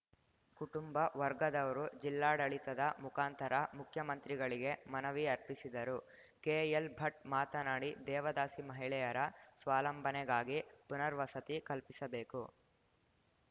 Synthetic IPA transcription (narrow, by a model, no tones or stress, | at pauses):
kuʈumbɐʋɐɾɡɐd̪ɐʋɐɾud͡ʒilːaːɽɐɭit̪ɐd̪ɐmukaːnt̪ɐɾɐmukʰjɐmɐnt̪ɾiɡɐɭiɡe̞mɐnɐʋiɐɾpisid̪ɐɾu | keːjelbʱɐʈ̚maːt̪ɐnaːɽid̪ɛːʋɐd̪aːsimɐɦiɭɛjɐɾɐsʋaːlɐmbʱɐnɛɡaːɡipunɐɾʋɐsɐt̪ikɐlpisɐbeːku